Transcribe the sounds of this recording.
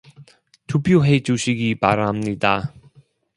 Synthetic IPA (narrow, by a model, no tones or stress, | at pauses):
tupʰjoɦe̞d͡ʑuɕʰiɡipaɾamɲida